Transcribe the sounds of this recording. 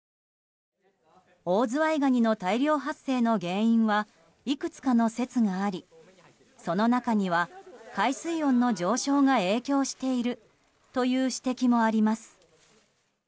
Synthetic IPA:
o̞ːzɨβaiɡaɲ̟ino̞t̪aiɾʲo̞ːɦasːe̞ːno̞ɡẽ̞ːĩɰ̃βa | ikɯ̟t͡sɨ̥kano̞se̞t͡sɨŋaːɾʲi | so̞no̞nakaɲ̟iβ̞akaisɨiõ̞nːo̞d͡ʑo̞ːɕo̞ːŋae̞ːkʲo̞ːɕi̥t̪e̞iɾɯ̟ | t̪o̞jɯ̟ːɕi̥t̪e̞kʲimo̞aɾʲimasɨ̥

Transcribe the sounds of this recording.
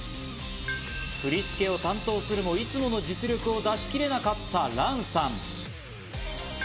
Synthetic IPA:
ɸɯ̟ɾʲit͡sɨ̥ke̞o̞t̪ãnt̪o̞ːsɨɾɯ̟mo̞it͡sɨmo̞no̞d͡ʑit͡sɨɾʲo̞kɯ̟o̞d̪aɕi̥kʲiɾe̞nakat̪ːaɾãɰ̃sãɴ

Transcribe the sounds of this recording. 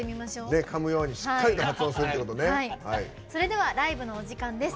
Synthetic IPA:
emʲimaɕo̞ːne̞kʰamɯ̟jo̞ːɲ̟iɕi̥kkːaɾit̪oɦat͡sɨõsɨɾɯt̪ːeko̞t̪one̞aiha̰i | so̞ɾe̞d̪e̞β̞aɾaibɯ̟no̞ːʑikãnd̪e̞s

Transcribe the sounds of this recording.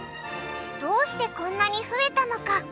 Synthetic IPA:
d̪̥o̞ːɕi̥t̪e̞kõ̞nːaɲ̟iɸɯ̟e̞t̪ano̞ka

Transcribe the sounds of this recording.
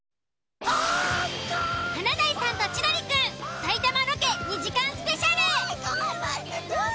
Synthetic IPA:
hanazaisãnd̪ot͡ɕinaɾʲikɯsait̪amanokeɲʲid͡ʑikãñsɨ̥peɕaɾɯ

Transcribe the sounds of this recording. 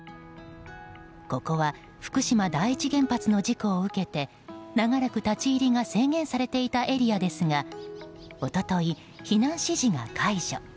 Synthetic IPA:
ko̞ko̞βa | ɸɯ̥kɯ̟ɕimad̪aiit͡ɕiɡẽ̞mpat͡sɨno̞d͡ʑiko̞ːɯ̟ke̞t̪e̞ | naɡaɾakɯ̟t̪at͡ɕiːɾʲiŋase̞ːŋẽ̞ɰ̃saɾe̞t̪e̞it̪aʔe̞ɾʲiad̪e̞sɨŋa | o̞t̪o̞t̪o̞i | çinãɰ̃ɕiʑiŋa̰kʰaiʑo̰

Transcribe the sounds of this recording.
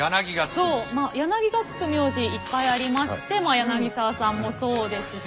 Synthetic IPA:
janaɡʲiɡasoːmajanaɡʲiɡat͡sɨ̥kɯ̟mʲjo̞ːʑiːpːaiaɾʲimaɕi̥t̪e̞majanaɡʲisaːsãmːo̞so̞ːd̪e̞sɨ

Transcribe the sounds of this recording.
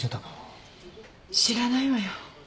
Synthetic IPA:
et̪akḁ | ɕiɾanaiβajo

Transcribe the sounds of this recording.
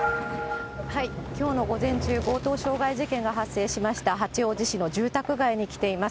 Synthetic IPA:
haikʲo̞ːno̞ɡo̞zẽ̞ɲ̟t͡ɕɨːɡo̞ːt̪o̞ːɕo̞ːɡaiʑikẽ̞ŋɡaɦasːe̞ːɕimaɕi̥t̪aɦat͡ɕio̞ːd͡ʑiɕino̞d͡ʑɨːt̪akɯ̟ɡaiɲ̟ikʲi̥t̪e̞imas

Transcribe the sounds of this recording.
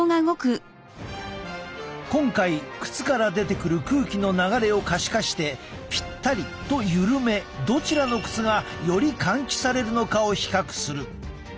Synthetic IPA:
oŋaɯɡo̞kɯ̟ | kõ̞ŋkaikɯ̟̥t͡sɨ̥kaɾad̪e̞t̪e̞kɯ̟ɾɯ̟kɯ̟ːkʲino̞naɡaɾe̞o̞kaɕi̥kaɕi̥t̪e̞ | pʲi̥t̪ːaɾʲi | t̪o̞jɯ̟ɾɯ̟me̞d̪o̞t͡ɕiɾano̞kɯ̟̥t͡sɨɡajo̞ɾʲikʰãŋkʲi̥saɾe̞ɾɯ̟no̞kao̞çi̥kakɯ̥sɨɾɯ̟

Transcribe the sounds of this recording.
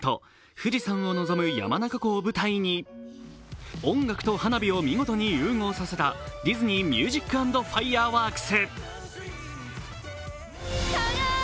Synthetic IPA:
t̪o̞̰ | ɸɯ̟d͡ʑisãɰ̃o̞no̞zo̞mɯ̟ja̰manakako̞ːbɯ̟t̪aiɲ̟i | õ̞ŋɡakt̪o̞hanabʲio̞mʲiɡo̞t̪o̞ɲ̟ijɯ̟ːŋo̞ːsase̞t̪adʲizɨɲ̟imʲjɨːʑikːɯ̟ãnd̪o̞ɸaiaːβaːkɯ̥se

